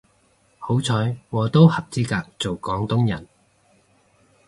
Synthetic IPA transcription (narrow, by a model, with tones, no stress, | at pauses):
ho˨˥wt͡sʰɔː˨˥jwɔː˨˧t̪o˥whɐ˨p̚t͡siː˥kaː˧k̚t͡so˨wkɔː˨˥ŋt̪ʊ˥ŋjɐ˨˩n